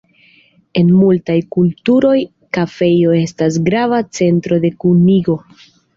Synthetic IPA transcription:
e̞nmultajkultuɾo̞j | kafe̞jo̞e̞stas̬ɡɾavat͡se̞ntɾo̞de̞kuniɡo̞

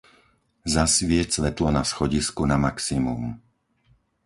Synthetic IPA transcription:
zasʋɪɛct͡sʋɛt̪lɔnasxɔɟiskunamaksimṵm

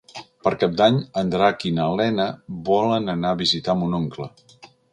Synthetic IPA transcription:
pəɾkap̚d̪aɲənd̪ɾakinəlɛnəβɔlənənaβizit̪amunoŋklə

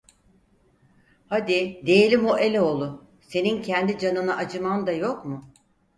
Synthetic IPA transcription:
had̪ɪd̪e̞jelʲimoʔe̞lʲɛo̞lˠʊ | se̞nincʰɛnd̪id͡ʒanɯnaʔad͡ʒɯmand̪ajo̞kmʊ

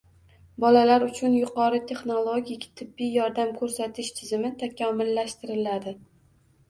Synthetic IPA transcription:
bɒlalaɾʊt͡ʃʰʊnjʊqɒɾɪt̪ʰe̞χnolˠoɡʲikʲt̪ʰɪbːijjɒɾd̪amkʰɵɾsat̪ʰɪʃt̪ʰɪzɪmɪt̪ʰakʲʰɒmɪlːaʃt̪ɪɾɪlad̪ɪ

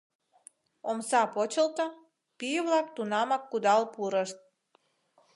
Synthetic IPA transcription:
omsɑpot͡ɕəlt̪ə̆ | pijəvlˠɑkt̪unɑmɑkːud̪ɑlˠpuɾəʃt̪̚

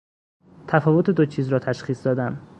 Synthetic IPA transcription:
t̪ʰæfɒːvo̞t̪ʰed̪ot͡ʃʰiːzɾɒːt̪ʰæʃχiːsd̪ɒːd̪æm

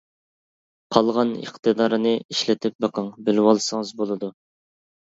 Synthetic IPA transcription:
qʰɑlˠʁɑnə̰χt̪ɨd̪ɑɾnɨiʃlɪt̪ʰɪp̚bɑqʰɑŋbɪlɪwɑlˠsɨŋɨzbolˠɨd̪u

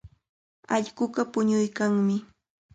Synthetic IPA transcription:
ɑʎɢʊɢɑpʊɲʊjkaŋmɪ

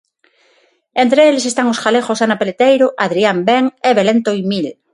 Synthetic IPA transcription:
ẽnt̪ɾeeles̬est̪aŋosxalexosanapelet̪ejɾoʔaðɾiambeŋeβelent̪oimil

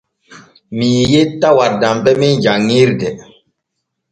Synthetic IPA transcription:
mijjetawaɾdambɛmind͡ʒaŋːiɾdɛ

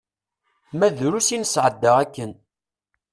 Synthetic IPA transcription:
mæðɾusinəsʕəd̪ːəʁækːən

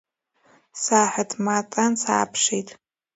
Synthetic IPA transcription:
saːħʷatʰʼmatʼansa̰ːpʰʂitʼ

